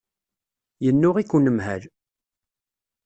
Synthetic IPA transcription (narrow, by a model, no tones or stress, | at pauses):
jənːʊʁikːənəmɦæl